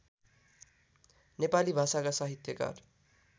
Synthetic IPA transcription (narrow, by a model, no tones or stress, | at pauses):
nepalibʱasakasaɦit̪jʌka̰r